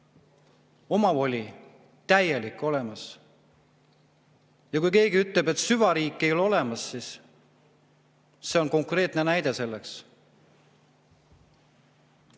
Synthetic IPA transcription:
o̞mɑvo̞lʲi | t̪æje̞likːˑo̞le̞mɑs | jɑkujke̞ːɡiyt̪ˑlebe̞t̪syvɑɾiːkːˑejo̞lo̞le̞mɑsːiːs | se̞o̞nko̞ŋkre̞ːt̪ˑnenæjd̪e̞se̞lːe̞ks

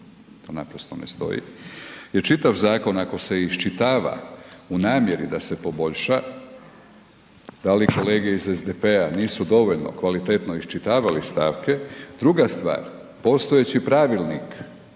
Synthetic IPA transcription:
t̪o̞ːnapɾost̪onḛst̪o̞̰jḭjeɾt͡ʃit̪aʋzaːko̞nako̞se̞iʃt͡ʃit̪aːʋa̰unaːmjeɾid̪ase̞po̞bo̞ʎʃa | d̪aliko̞le̞ːɡeizezd̪epeaniːsud̪o̞ʋo̞ʎno̞̰kʋalit̪et̪no̞iʃt͡ʃit̪aːʋalist̪aːʋke̞d̪ɾuɡast̪ʋa̰ːɾ | po̞st̪o̞et͡ɕipɾaːʋilˠnik

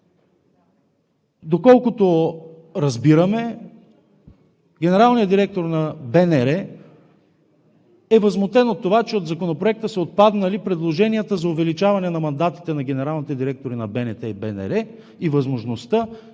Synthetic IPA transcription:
d̪okɔlˠkʊt̪o | ɾɐzbiɾəmɛ | ɡʲɛnɛɾalˠnijəd̪iɾɛk̚t̪oɾnɐbɛnɛɾɛ | ɛvɐzmot̪ɛnot̪ːovat͡ʃɛod̪zɐkonopɾoɛk̚t̪əsɛot̪̚pad̪nɐlipɾɛd̪lˠoʒɛnijət̪əzɐʊvɛlit͡ʃavɐnɛnɐmɐnd̪at̪i̥t̪ɛnɐɡɛnɛɾalˠnit̪ɛd̪iɾɛk̚t̪oɾinɐbɛnɛt̪ɛibɛnɛ̰ɾɛ | ivɐzmoʒnost̪ə

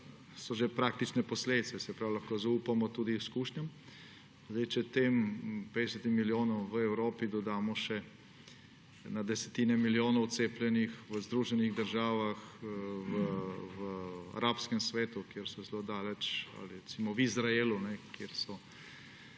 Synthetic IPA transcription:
sɔʒepɾaːk̚t̪it͡ʃnɛpɔsleːd̪it̪sɛsɛpɾaːwulaxkozauːpamɔt̪uːd̪iwskuːʃnam | zd̪ɛɪjt͡ʃɛt̪eːmped̪ɛsət̪immiljoːnɔwʋəɛwɾoːpid̪ɔd̪aːmɔʃɛ | nad̪ɛsɛ̥t̪iːnɛmiljoːnɔwt̪seːplʲjɛnixʋəzd̪ɾuːʒɛniɣd̪əɾʒaːʋaxʋəʋəa̰ɾʔaːpskɛmsʋeːt̪ukjeɾsɔzɛlod̪aːlɛt͡ʃa̰liɾɛt̪simɔwizɾaelunɛkjeɾsɔ

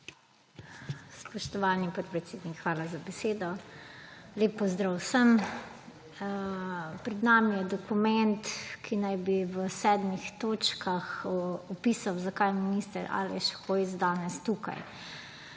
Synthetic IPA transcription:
spɔʃt̪ɔʋaːlnipɔt̪̚pɾɛt̪seːd̪nikxʋaːlazabɛseːd̪ɔ | leːpːɔzd̪ɾawsəm | pɾɛd̪naːmijɛd̪ɔkumɛnt̪kʰinajbiʋəsɛːd̪mixt̪oːt͡ʃkaxɔpiːsawzakajminist̪əɾʔa̰lɛ̰ʃxojzd̪aːnɛst̪uka̰j

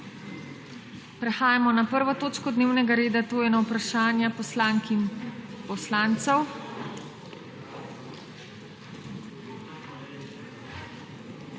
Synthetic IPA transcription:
pɾɛxaːjamɔnapəɾʋɔt̪oːt͡ʃkɔd̪neːwnɛɡaɾeːd̪at̪oːjɛnawpɾaʃaːnjapɔslaŋkimpɔslaːnt̪sɛw

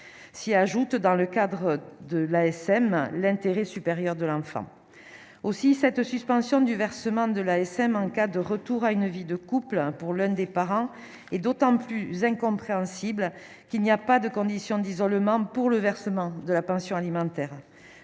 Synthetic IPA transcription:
siaʒut̪d̪ɑ̃ləkad̪ʁəd̪əlaɛsɛmlɛ̃nt̪eʁɛsypeʁjœʁd̪əlɑ̃fɑ̰̃ | osisɛt̪syspɑ̃sjɔ̃d̪yvɛʁsəmɑ̃d̪əlaɛsɛmɑ̃kad̪əʁət̪uʁaynvid̪əkuplpuʁlœ̃d̪epaʁɑ̃ | ɛd̪ot̪ɑ̃plyzɛ̃kɔ̃pχeɑ̃siblə | kilniapad̪əkɔ̃d̪isjɔ̃d̪izɔlmɑ̃puʁləvɛʁsəmɑ̃d̪əlapɑ̃sjɔ̃alimɑ̃t̪ɛʁ

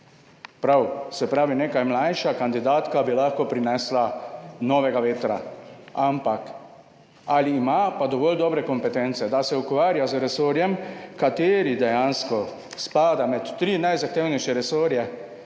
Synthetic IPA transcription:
pɾawsɛpɾaːʋineːkajmlajʃakand̪id̪aːt̪kabilaxkɔpɾinɛslanɔːʋɛɡaʋeːt̪ɾa̰ampak | aliːmapad̪ɔʋɔːld̪ɔːbɾɛkɔmpɛt̪ɛnt̪sɛd̪asɛukʋaːɾjazəɾɛsoːɾjɛmkat̪eːɾid̪ɛjanskɔ | spaːd̪amɛt̪ːɾinajzaxt̪eːwnɛjʃjɛɾɛsoːɾjɛ

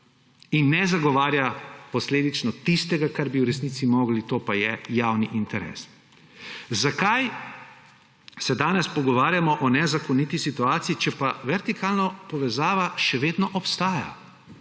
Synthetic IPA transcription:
inːɛzaɡɔʋaːɾjapɔsleːd̪it͡ʃnɔt̪ist̪ɛɡakaɾbiwɾɛsniːt̪simoːɡlit̪oːpajɛjaːwniʔint̪ɛɾɛ̰s | zakaj | sɛd̪aːnɛspɔɡɔʋaːɾjamɔʔɔnɛzakɔnit̪isit̪uaːt̪sijit͡ʃɛpaʋɛɾt̪ikʰaːlnapɔʋɛzaːʋaʃɛʋeːd̪nɔʔɔpst̪aːja̰

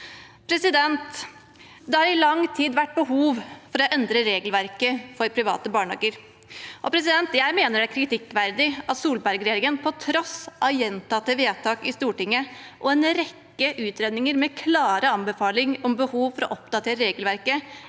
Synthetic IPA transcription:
pʰɾɛsɪd̪ɛnt̪ | d̪ɛhɑɾɪlɑŋt̪ʰiːd̪ʋæʈ̚ːbəɦuːʋfɔɾɔʔɛnd̪ɾəɾeːɡəlʋæɾkəfɔɾpʰɾɪʋɑ̰ːt̪əbɑːɳɑ̰ːɡəɾ | ʔɔpʰɾɛs̬ɪd̪ɛnt̪jæɪmeːnəɖæɾkʰɾɪt̪ʰɪkːʋæɾd̪ɪɑt̪suːlbæɾɡɾeːɾɪŋənpʰɔt̪ʰɾɔsʔɑjɛnt̪ɑt̪ːəʋeːt̪ʰɑːkɪst̪uːʈɪŋːəʔɔɛnɾɛkːəʔʉːt̪ɾeːd̪nɪŋəɾmɛkʰlɑːɾəɑmbəfɑːlɪŋɔmbəhuːʋfɔɾɔ̰ʔɔp̚d̪ɑt̪ʰeːɾəɾeːɡəlʋæɾkə

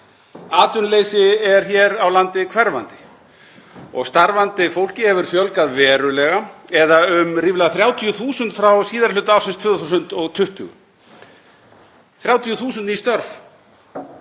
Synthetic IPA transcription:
aːt̪ʏnleːjsɪɛɾ̥çɛːɾawlant̪ɪkʰvɛɾva̰nt̪ɪ | ɔ̰ɣst̪aɾvant̪ɪfowl̥cɪhɛvʏɾ̥fjœlkaðvɛːɾʏlɛɣaɛðaʏmriːvlaðθɾjaːwt̪ʰijʏθuːsʏnt̪fɾawsiːðaɾlʏːt̪aaːwsɪnst̪ʰvʏːðθus̬ʏnt̪ɔɣt̪ʰʏht̪ʏ̰ɣ̰ | θɾjaːwt̪ʰijʏθuːs̬ʏnt̪nist̪œɾf

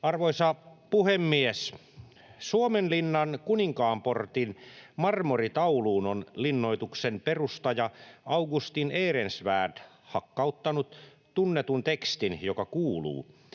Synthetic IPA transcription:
ɑrʋoisɑpuhemːies | suomenlinːɑnkuniŋkɑːmport̪inmɑrmorit̪ɑuluːnonlinːo̞it̪uksenperust̪ɑjɑɑuɡust̪ineːrensʋæ̰ːd | hɑkːɑut̪ːɑnut̪ | t̪unːet̪unt̪ekst̪injokɑkuːlṵː

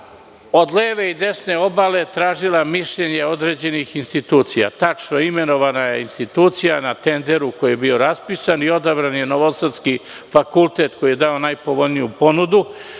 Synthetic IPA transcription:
o̞d̪leːʋe̞id̪e̞sne̞o̞bale̞t̪ɾaːʒilamiʃʎe̞ɲeo̞d̪ɾed͡ʑe̞nixinst̪it̪uːt̪sija̰t̪at͡ʃnoime̞no̞ʋanajeinst̪it̪uːt̪sijanat̪e̞nd̪e̞ɾuko̞jije̞bio̞ɾaspisanio̞d̪abɾanjeno̞ʋosad̪ski | fakulˠt̪e̞t̪ko̞jije̞d̪ao̞najpoʋo̞ʎnijupo̞nud̪u

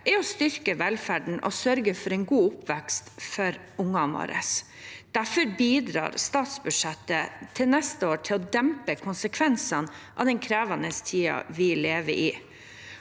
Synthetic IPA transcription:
ɛɔst̪ʏɾkəʋɛlfæɖɳ̩ʔɔ̰sœɾɡəfɔɾɛɪnɡuːʊpʋɛkst̪fɔɾ | ʊŋɑnɑ̰ːɾʔə̰s | d̪̥æfɔɾbiːd̪ɾɑ̰ːɾst̪ɑːt̪sbʉd̥ʂɛt̪ːət̪ʰɪlnɛst̪əoːʈʰɪlɔd̪ɛmpəkʰʊnsəkʰʋɛnsɑn | ʔɑ̰ʋd̪ɛŋkʰɾæːʋɑnəst̪ʰiːɑ̰ʋɪleːʋə̰ɾʔɪ

